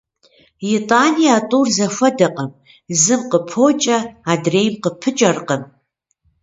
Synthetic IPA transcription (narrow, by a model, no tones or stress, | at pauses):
jitʼaːnijatʼuːrzɐfʷɐdɐqʼɐm | zɨmqəpʰoːt͡ʃʼɐaːdreːjmqəpʰɨt͡ʃʼɐrqɐm